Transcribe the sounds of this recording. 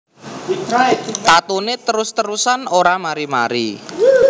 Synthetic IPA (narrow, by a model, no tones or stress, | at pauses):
it̪t̪at̪unet̪əɾʊst̪əɾusanoɾamaɾima̰ɾḭ